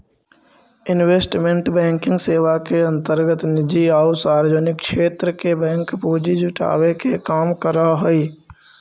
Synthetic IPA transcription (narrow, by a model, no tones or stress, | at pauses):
ɪnweːsʈmẽɳʈbɛ̃ːŋkɪ̃ŋɡseːwakeə̃nt̪əɾɡət̪nɪd͡ʒiaːusaːɾəd͡ʒənɪkːʃeːt̪ɾəkebɛ̃ːŋkpuːd͡ʒid͡ʒʊʈʰa̰ːwekekaːmkəɾaɦoi